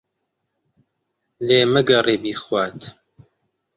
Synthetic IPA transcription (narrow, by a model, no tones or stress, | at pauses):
leːməɡɐreːbiːxwaːt̪ʰ